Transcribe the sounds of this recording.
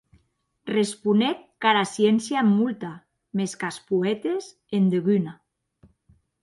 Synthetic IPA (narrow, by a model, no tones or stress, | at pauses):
respunek̪̚kaɾasjensjamːult̪a | meskaspuet̪es | end̪eɣyna